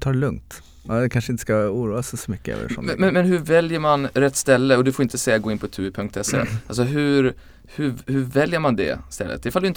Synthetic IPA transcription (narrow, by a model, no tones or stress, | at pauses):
t̪ʰɑːɭɵŋt̪ | ad̪ɛkʰanʂəɪnt̪ə̥skauːɾuːassɔmʏkːəɛ̰və̰ʂɔ̰mmɛnmɛnɦɵɾvɛljəɾmanɾɛt̪ːst̪ɛlːəɔd̪ɵfoɾɪnt̪əsɛjːaɡoːɪnpʰɔt̪ʰʉːɪpʰɵŋk̚t̪ɛsːḛals̬ɔɦʉɾ | hʉhʉɾvɛljəmand̪ɛ̰st̪ɛlːə̰t̪ɪfald̪ɵɪnt̪